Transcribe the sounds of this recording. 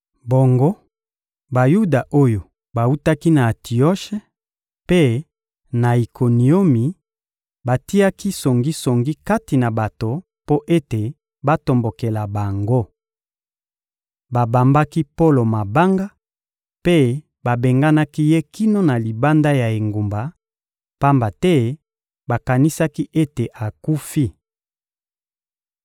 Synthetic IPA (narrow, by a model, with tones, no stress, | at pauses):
bo˨ŋɡo˦ | ba˨ju˦da˨ʔo˦jo˨ | ba˨u˦ta˦ki˦na˨ti˨o˦ʃe˦ | pe˦ | na˨i˨ko˨ni˨o˦mi˨ | ba˨ti˦a˦ki˦so˨ŋɡi˦so˨ŋɡi˦ka˦ti˨na˨ba˨to˨ | po˦ʔe˦te˨ | ba˦to˨mbo˨ke˨la˨ba˨ŋɡo˦ | ba˨ba˨mba˦ki˦po˦lo˨ma˨ba˦ŋɡa˦ | pe˦ | ba˨be˨ŋɡa˦na˦ki˦je˦ki˦no˦na˨li˨ba˦nda˦ja˨e˨ŋɡu˨mba˨ | pa˦mba˨tɛ˦ | ba˨ka˨ni˦sa˦ki˦ʔe˦te˨ʔa˨ku˦fi˦